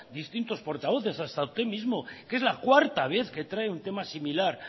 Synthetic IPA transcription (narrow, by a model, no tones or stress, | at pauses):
d̪ist̪int̪o̞spo̞ɾt̪aβ̞o̞θe̞sast̪aust̪e̞mizmo̞ke̞zlakwaɾt̪aβ̞e̞θke̞t̪ɾaeunt̪e̞masimilaɾ